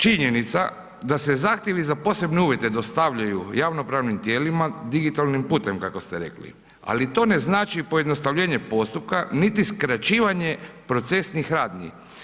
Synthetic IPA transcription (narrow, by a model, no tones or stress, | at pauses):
t͡ʃiɲe̞nit̪sa | d̪ase̞zaːxt̪je̞ʋizapo̞se̞bneuːʋje̞t̪e̞d̪ost̪aʋʎajujaʋno̞pɾaːʋnimt̪je̞ːlimad̪iɡit̪alnimpuːt̪e̞mkako̞st̪eɾe̞̰klḭ | a̰lit̪o̞ne̞znaːt͡ʃipo̞jed̪no̞st̪aʋʎe̞ːɲe̞po̞st̪up̚kanit̪iskɾat͡ɕiːʋaɲe̞pɾo̞t̪se̞snixɾaːd̪nḭ